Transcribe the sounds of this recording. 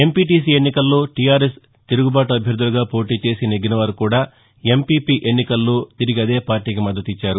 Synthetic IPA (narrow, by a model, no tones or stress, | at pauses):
e̞mpiːʈiːs̬iːe̞nːikɐlːo̞ːʈijaːɾes | t̪iɾuɡubaːʈuɐbʱjɐɾd̪ʱuluɡaːpo̞ːʈiːt͡ʃe̞ːsineɡinɐʋɐɾukuːɽaː | e̞mpiːpiːʔe̞nːikɐlːo̞ːt̪iɾiɡɐd̪e̞ːpaːɾʈiːk̬imɐd̪ːɐt̪it͡ʃːaːɾu